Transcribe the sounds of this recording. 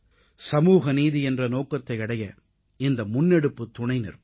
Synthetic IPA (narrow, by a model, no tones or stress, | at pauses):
sɐmuːɣɐniːðiɛndrɐnoːkɐt̪ːɐɪɐɽɐjɐ | ɪnd̪ɐmʊnːɛɽɯpːɯt̪ʊɳɐɪnɐ̰ɾ